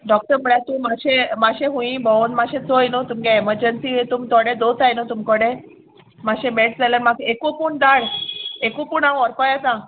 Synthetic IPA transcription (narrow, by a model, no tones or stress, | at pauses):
ɖɔk̚ʈəɾm̤əɭjat̪ũmaɕẽmaɕẽɦũĩbɔwnmaɕẽt͡sojnot̪umkẽeməɾd͡ʑensiet̪umt̪ɔɽẽd̪ot͡sajnot̪umkɔɽẽ | maɕẽmeʈd͡zaləmaɡekupuːɳd̪aɽekupuːɳãw̃ɔɾkɔjat̪ã